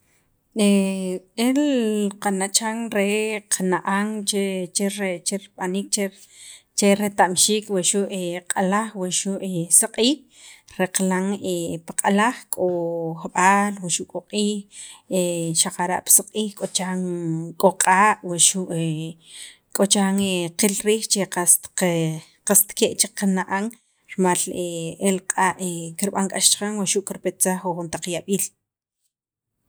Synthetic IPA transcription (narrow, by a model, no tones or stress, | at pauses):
e | elqanat͡ʃaŋɾeqʰanaʔaŋt͡ʃet͡ʃeɾet͡ʃeɾɓanik̚t͡ʃe | t͡ʃeɾet̪amʃiːkweʃuʔeqʼalaχweʃuʔesaqʼiːh | ɾeqlaŋepaqʼalaχkʼoχɓaːlweʃuʔkʼoqʼiːxeʃaqaɾa̰ʔpsaqʼiːχkʼot͡ʃaŋkʼoqʼaːʔwaʃuʔe | kʼot͡ʃaŋeqilɾiːχt͡ʃeqast̪ | qast̪keʔt͡ʃeqanaʔaŋ | ɾmaleelqʼaːʔekiɾɓaŋkʼaʃt͡ʃqaŋwaʃuʔkiɾpet̪saχwoxunt̪aq͡χjaɓiːl